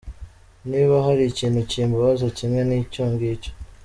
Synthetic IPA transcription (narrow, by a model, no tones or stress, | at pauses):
niβaɦaɾiciːn̤uciːmbuβazocimŋe̞niːcuːŋɡico̥